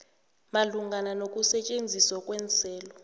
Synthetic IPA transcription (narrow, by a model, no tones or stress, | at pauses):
maluŋɡʱananok̬ʼusɛt͡ʃʼend͡zʱiswakʼwɛnt͡sʰʼɛːlɔ